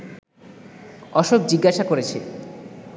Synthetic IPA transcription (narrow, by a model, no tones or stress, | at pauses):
ɔʃob̚d͡ʑiɡːaʃakoɾet͡ɕʰe